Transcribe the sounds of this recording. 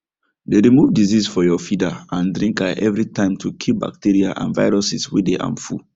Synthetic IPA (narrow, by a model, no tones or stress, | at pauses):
deɾimuvdizisfɔjɔfidaãndɾĩŋkaʔɛvɹitʰãɪ̃mtʰukʰip̚ba̰k̚tiɾiaʔã̰nva̰ɪɹɔsiswideʔã̰mfṵ